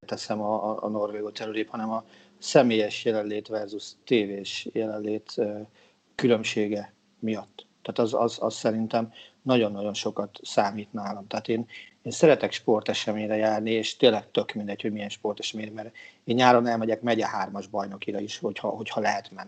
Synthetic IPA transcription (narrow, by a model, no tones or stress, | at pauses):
t̪ɛsɛmɒ̰ːno̞rʋeːɡoːt̪ɛɾyɾeːphɒnɛmɒ | sɛmeːjɛʃjɛlɛnleːt̪ʋɛrzust̪eːveːʃjɛlɛnleːt̪ø | kylø̞mʃeːɡɛ | mijɒt̪ːɛːt̪ɒzɒ̰zɒ̰ssɛɾint̪ɛmnɒɟo̞nːɒɟo̞nʃo̞kɒt̪saːmiːt̪naːlɒmt̪ɛɦːt̪eːneːnsɛɾɛt̪ɛkʃpo̞rt̪ɛʃɛmeːɲɾɛjaːrnieːʃt̪eːlɛk̚t̪ø̞kmind̪ɛchoɟmijɛnʃpo̞rt̪ɛʃɛmeːɾɛmɛreːnɲaːɾɒnɛlmɛɟɛkmɛɟɛhɦaːrmɒʒbɒjno̞kiɾɒiʃho̞chɒ̰ɦo̞chɒlɛɦɛt̪mɛnːi